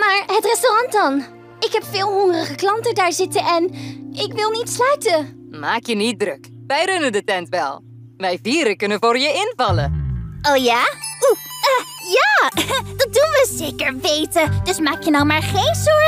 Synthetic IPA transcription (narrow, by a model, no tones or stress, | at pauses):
maːɹɦətrɛstorɑntdɑn | ɪkɦɛpfɪːlˠɦɔŋərəχəklɑntədaːɹzɪtənʔɛnɪkʋɪlˠnitslœɥtə | maːkjənit̚drøk | ʋɛjrɵnəndətɛntʋɛ̰lˠ | ʋɛjviːɾəkɵnənvʊːɹjəɪnvɑlə̰owjaːuəjaːd̥ɑt̚dunʋəzejkəɹʋejtəd̥ɵsmaːkjənɔwmaːɹχejnsɔɹ